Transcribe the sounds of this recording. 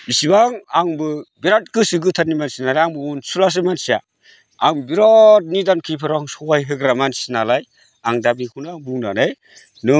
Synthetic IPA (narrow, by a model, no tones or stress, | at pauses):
bisibaŋaŋbɯbiɾat̚kɯsɯɡɯtʰannimansinalajaŋbɯunsulas̬ɯmansija̰ | aŋbiɾɔt̚nidankʰipʰɯɾaŋsɔajɦɯɡɾamansinalaj | aŋdabikʰunaŋbuŋna̰nɯj | nɯ